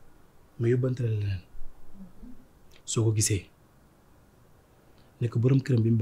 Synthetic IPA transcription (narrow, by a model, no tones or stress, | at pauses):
majubantɾal | sokoɡise | nəkːəbuɾumkiɾambimb